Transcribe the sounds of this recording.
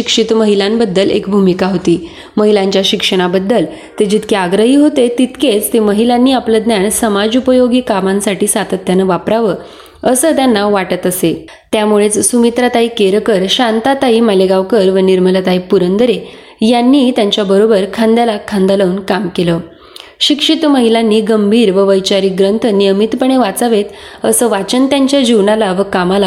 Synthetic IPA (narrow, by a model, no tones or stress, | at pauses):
ɕikʂit̪məɦilambəd̪ːəlḛkbʱumikaɦot̪iː | məɦilaɲt͡ɕjaɕikʂəɽ̃abəd̪ːəl | t̪ed͡ʑit̪kʰeaɡɾəɦiːɦot̪et̪it̪ket͡st̪eməɦilanːiːapləd̪njaɳsəmad͡zupəjoɡiːkamãnsaʈiːsat̪ət̪ːjanəʋapɾaʋə | əsət̪janːaʋaʈət̪əse | t̪jamuɭet͡ssumit̪ɾat̪aikeɾkəɾɕãnt̪at̪aiːməleɡaʋkəɾʋəniɾməlat̪aipuɾənd̪əɾe | janːiːt̪jãɲt͡ɕjabəɾobəɾkʰãnd̪alakʰand̪aləunkamkelə | ɕikʂit̪məɦilanːiːɡəmbʱiːɾʋəʋəjt͡ɕaɾiɡɾənt̪ʰnijəmit̪pəɳ̃eʋat͡saʋet̪əsəʋat͡ɕənt̪jaɲt͡ɕjad͡ʑiʋɳalaʋəkamala